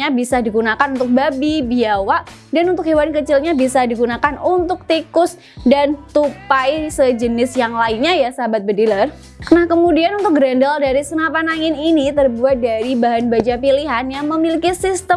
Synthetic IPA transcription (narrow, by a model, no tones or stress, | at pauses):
abisadiɡunakanunt̪ʊk̚babibiawaʔ | danunt̪ʊk̚ɦewankət͡ʃɪlɲabisadiɡunakanunt̪ʊk̚t̪ikʊs | dant̪upajsəd͡ʒənɪsjaŋlaɪnɲajasabat̪̚bədilər | kənakəmudianunt̪ʊk̚ɡəɾandaldaɾisənapanaŋɪninit̪ərbuat̪̚daɾibaɦanbad͡ʒapiliɦanjaŋməmilikisist̪ə